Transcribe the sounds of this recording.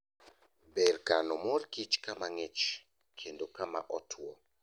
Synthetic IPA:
bɛrkanɔmorkit͡ʃkamaŋɪt͡ʃ | kʰendokama̰ʔɔtʰwɔ

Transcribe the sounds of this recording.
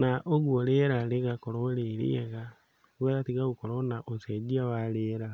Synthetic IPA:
naʔoɣuɔɾeɾaɾeɣakɔɾɔɾeɾḛɛɣa | ɣɛɾatiɣaɣukɔɾɔnaʔosɛd͡ʒiawaɾeɾa

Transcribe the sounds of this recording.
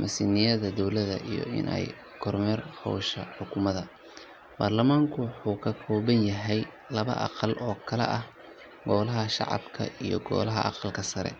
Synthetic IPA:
mʔɐsɪnɪjɐðɐd̪ɔwlɐðɐ̰ʔijɔ̰ɪ̰nʔɛ̰j | kʰɔrmɛrhɔːʃɐħʊkʰʊmɐðɐ | b̥aːrlɐmaːŋkʰʊwħuːkʰɐkʰɔːβɐnjɐɦɛj | lɐβɐ̰ʔɑ̰qɑlʔɔːkʰɐlɛ̰ʔɐh | ɡɔːlɐɦɐʃɑ̰ʕɑ̰bkʰɐ̰ʔijɔ̰ɡɔ̰ːlɐɦɐ̰ʔɑ̰qɑlkʰɐsɐɾɛ̰

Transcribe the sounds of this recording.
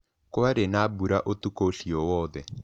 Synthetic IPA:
kuaɾenabuɾaʔot̪ukoɬijɔwɔːd̪ɛ

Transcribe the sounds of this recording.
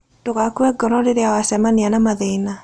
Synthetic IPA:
toɣakuɛɡɔɾɔdeɾeawasɛmanianamaðeina

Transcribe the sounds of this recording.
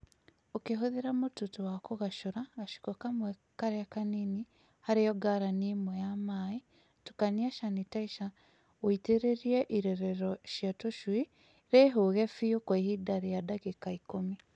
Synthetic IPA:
okeɦoðeɾamotutuwakoɣaʃuɾaɣaʃu̥kokamwekaɾeakanini | haɾejɔɡaɾanimwejamaːi | tu̥kaniaʃanitaiʃa | witeɾeɾieʔiɾeɾeɾɔʃjatoʃwi | ɾeɦoɣefijokwehidaɾijadaɣekaikomi

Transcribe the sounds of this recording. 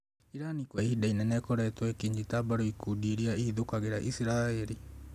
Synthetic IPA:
iɾanikwaihidainɛnɛkɔɾɛtwɛkiːɲd͡ʑitabaɾoikudiɾiaiːðokaɣeɾaʔisiɾaːɛɾi

